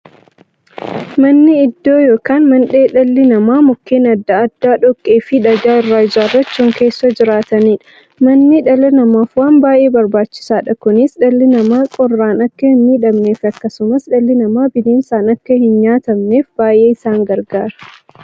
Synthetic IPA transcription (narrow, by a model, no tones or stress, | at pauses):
mɐnːɪɪd̪ːo̞ːjoːkaːnmɐnᶑe̞ːᶑɐlːɪnɐmaːmʊkːeːnɐd̪ːɐːd̪̥ːaːᶑɔkʼːeːfɪᶑɐɡaːɪrːaːɪd͡ʒaːrːɐt͡ʃːuːŋke̞ːsːɐd͡ʒɪɾaːt̪ɐniːᶑɐ̥ | mɐnːɪᶑɐlɪnɐmaːfwaːnbaːʔe̞ːbɐɾbaːt͡ʃːɪ̥saːᶑɐkʊnɪsᶑɐlːɪnɐmaːkʼɔrːaːnɐkːɐhɪnmiːᶑɐmneːfɐkːɐsʊmɐsᶑɐlːɪnɐmaːbɪdeːnsaːnɐkːɐhɪnɲaːt̪ɐmne̞ːfbaːʔe̞ːɪsaːŋɡɐɾɡaːɾɐ̥